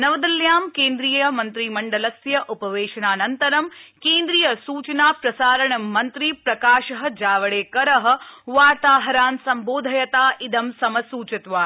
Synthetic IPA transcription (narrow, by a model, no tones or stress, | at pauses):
nɐʋɐd̪ɐljaːmkeːnd̪ɾiːjjɐmɐnt̪ɾimɐɳɖɐlɐsjɐʔupɐʋeːʃɐnaːnɐnt̪ɐɾɐmkeːnd̪ɾijɐsuːt͡ʃɐnaːpɾɐsaːɾɐɳɐmːɐnt̪ɾipɾɐkaːʃɐɦɐ̆d͡ʒaːʋɐɭeːkɐɾɐɦɐ̆ʋaːɾt̪aːɦɐɾaːnsɐmboːd̪ʱɐjɐt̪aːʔid̪ɐmsɐmɐsuːt͡ʃɐt̪ʋaː